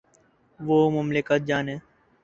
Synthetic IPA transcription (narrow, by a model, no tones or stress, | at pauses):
ʋoːmʊmlɪkət̪̚d͡ʒaːneː